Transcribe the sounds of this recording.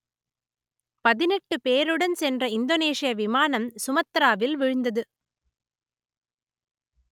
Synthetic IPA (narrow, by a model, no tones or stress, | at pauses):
pɐðɪnɛʈːɯpeːɾɯɽɐnsɛndrɐɪnd̪oːneːʂɪjɐʋɪmaːnɐmsʊmɐt̪ːɾaːʋɪlʋɪɻɯnd̪ɐðɯ